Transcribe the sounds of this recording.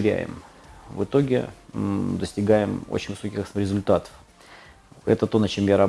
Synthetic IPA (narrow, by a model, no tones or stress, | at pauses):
ɾʲæ̰jɪ̰mvɨt̪o̞ɡʲɪ̰ | d̪əsʲtʲɪɡajɪmo̰t͡ɕɪnʲvɨso̞kʲɪxsmɾʲɪzʊlʲt̪at̪ə̥f | ɛ̰t̪ət̪o̞nɐt͡ɕe̞mjaɾɐ